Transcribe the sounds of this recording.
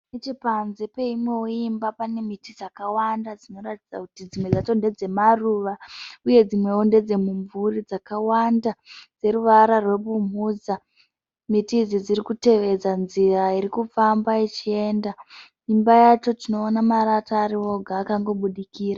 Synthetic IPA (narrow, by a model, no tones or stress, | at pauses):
net͡ʃipanzepe̞imwe̞oimbapane̞mitid͡zakawandad͡zino̞ratid͡za̰kutid͡zimwe̞d͡zato̞nde̞d͡ze̞maruʋauje̞d͡zimwe̞onde̞d͡ze̞muɱvuɾid͡zakawandad͡ze̞ɾuʋaɾarwe̞ɓumud͡za | mitiːd͡zid͡ziɾikute̞ʋe̞d͡zanziraiɾikufambait͡ʃie̞ːnda | imbajat͡ʃo̞tino̞ːnamaɾataːɾio̞ɡʱaːkaŋɡo̞ɓuɗikiːra